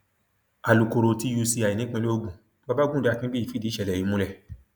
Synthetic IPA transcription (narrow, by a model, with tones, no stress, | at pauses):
a˨lu˨ko˨ɾo˨ti˧ju˧si˧a˨i˨nĩ˨˦k͡pĩ˧lo˦o˧ɡ͡bũ˨˦ | a˦ba˦ɡũ˦˨da˨˦kĩ˦i˦i˦˨fi˦di˨˦ʃɛ˨lɛ˨ĩ˨˧˦mũ˧˦lɛ˦˨